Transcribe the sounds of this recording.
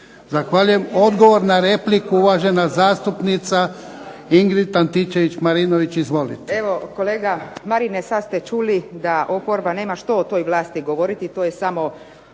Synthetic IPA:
zaxʋaʎujemo̞d̪ɡo̞ʋoɾnaɾe̞plikuuʋaʒe̞nazaːst̪upnit̪sa | iŋɡɾit̪ant̪it͡ʃeʋit͡ɕmaɾinoʋit͡ɕizʋo̞lit̪e̥eʋo̞koleːɡamaɾinesad̪st̪et͡ʃuːlid̪aʔopoɾbane̞ːmaʃt̪o̞ːt̪o̞jʋlˠaːst̪iɡo̞ʋoɾit̪it̪oːjesamo̞

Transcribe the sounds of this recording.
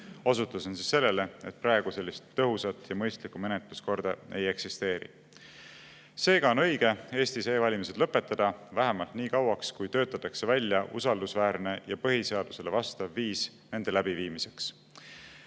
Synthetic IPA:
o̞s̬ut̪ːˑuso̞nsisːe̞lːe̞le̞et̪̚pɾɑeɡ̥use̞lːist̪ːɤɦusɑt̪ˑːjɑmɤ̞jst̪likume̞net̪lusko̞rd̪̥ɑe̞̰je̞ksist̪e̞ːɾḭ | se̞ːɡ̥ɑo̞nɤ̞jɡ̥e̞e̞ːst̪iseːvɑlʲimise̞d̪̥lɤpːˑe̞t̪ːˑɑd̪̥ɑvæɦemɑlt̪niːkɑwɑkskujt̪øːt̪ːˑɑt̪ːˑɑkse̞vælʲjɑʔṵsɑld̪usvæːrne̞jɑpɤɦise̞ɑd̪̥use̞levɑst̪ɑvːiːs | ne̞nd̪̥e̞læb̥iviːmise̞ks

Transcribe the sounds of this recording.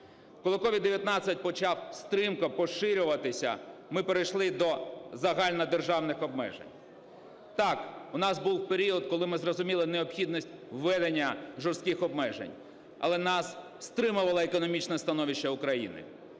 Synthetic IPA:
kɔlˠɪkɔʋʲid̪ːeʋʲjɐt̪nɑat͡sʲːɐt̚ʲpɔt͡ʃɑwst̪ɾɪmkɐpɔʃɪɾʲʊʋɐt̪ɪsʲɐ̰mɪpeɾejʃlˠɪd̪ɔzɐɦɑlʲnɐd̪erʒɑwnɪxɔbmɛ̰ʒḛnʲ | t̪ɑkʊnɑsbuwpeɾʲiɔd̪kɔlˠɪmɪzrɔzʊmʲilˠɪneɔpxʲid̪nisʲtʲwːɛd̪enʲːɐʒɔrst̪kʲɪxɔbmɛʒḛnʲ | ɐ̰lˠɛnɑs | st̪ɾɪmʊʋɐlˠɐekɔnɔmʲit͡ʃnɐst̪ɐnɔʋʲiʃːɛʊkɾɐjḭnɪ̰

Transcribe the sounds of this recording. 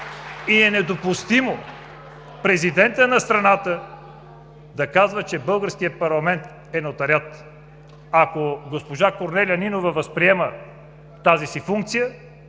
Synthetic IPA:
iɛnɛd̪opʊst̪imo | pɾɛzid̪ɛnt̪ənɐst̪ɾɐnat̪ə | d̪ɐkazvət͡ʃɛbɤlˠɡəɾskijət̪pɐɾlˠɐmɛnt̪ | ɛnot̪ɐɾʲjat̪ | akoɡospoʒakoɾnɛlʲiɐninovɐvɐspɾiɛmə | t̪azisifuŋk̚t̪sijə

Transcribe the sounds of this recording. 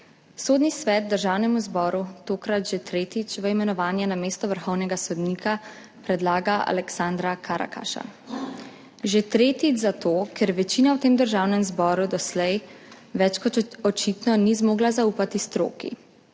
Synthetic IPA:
soːd̪nisʋɛt̪̚d̪əɾʒaːwnɛmuzbɔːɾut̪oːkɾat̪ʒet̪ɾeːt̪it͡ʃʋəimɛnɔʋaːnjanameːst̪ɔʋəɾxɔwnɛɡasɔd̪niːkʰa | pɾɛd̪laːɡaa̰lɛksand̪ɾakʰaɾa̰ka̰ʃa̰ | ʒet̪ɾeːt̪id͡ʒzat̪oːkʰɛɾʋɛt͡ʃiːnawt̪eːmd̪əɾʒawnɛmzbɔːɾud̪ɔslɛj | ʋɛt͡ʃkɔɔt͡ʃit̪nɔnizmoːɡlazauːpat̪ist̪ɾo̰ːkḭ

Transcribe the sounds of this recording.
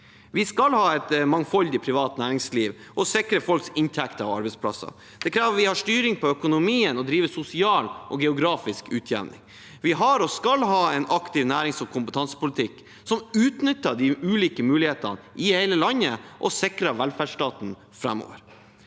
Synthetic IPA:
ʋɪskɑlhɑːɛt̪mɑŋfɔld̪ɪpʰɾɪʋɑːt̪næːɾɪŋsliːʋʔɔsɪkɾəfɔlksɪnt̪ʰɛkt̪əɑ̰ʋɑ̰ɾbɛɪspʰlɑ̰sɑ̰ | d̪̥ɛkʰɾæːʋəʋɪhɑʂt̪yːɾɪŋpʰɔœkʊnʊmiːənɔd̪ɾiːʋəsʊsɪɑːlʔɔɡɛʊɡɾɑːfɪskʉːt̪ʰjæ̰ʋnɪ̰ŋ | ʋɪɦɑɾɔskɑlɦɑːɛɪnɑkt̪ɪʋnæːɾɪŋsɔkʰʊmpət̪ʰɑnsə̥pʊlɪt̪ʰɪkː | sɔmʉːt̪nʏt̪ːəɖ̪ɪʉːliːkəmʉːlɪheːt̪ə̰nʔɪhɛɪləlɑnːəʔɔsɪkɾɑʋælfæːɖʂʈɑːt̪n̩ | fɾæmo̰ːʋəɾ

